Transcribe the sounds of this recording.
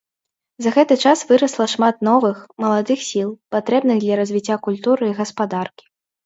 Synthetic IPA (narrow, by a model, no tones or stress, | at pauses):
zɐɣɛt̪ɨt͡ʂasvɨɾɐslˠɐʂmat̪̚n̪ɔvɨxmɐlˠad̪ɨxsʲilˠpat̪ɾɛbnɨɣd̪lʲɐɾɐzʲvʲit͡sʲːakulʲt̪uɾɨiɣɐspad̪arkʲi̥